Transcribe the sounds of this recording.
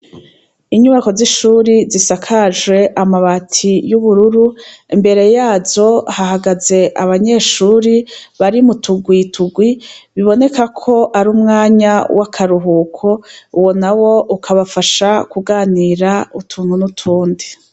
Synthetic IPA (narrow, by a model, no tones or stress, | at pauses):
iɲuβako̞ziʃuːɾizisakʰaʒwe̞ʔamaβatʰijuβuɾuɾuimbe̞ɾe̞jaːzo̞hahaɡaze̞ʔaβaɲe̞ːʃuːɾiβaɾimutuɡwiːtʰuɡwiβiβo̞ne̞kakʰo̞ʔaɾuːmŋaːɲawʔakʰaɾuɦuːkʰo̞uwo̞nawo̞ʔukʰaβafaʃakuɡaːniːɾautʰuːn̥hunutʰuːndi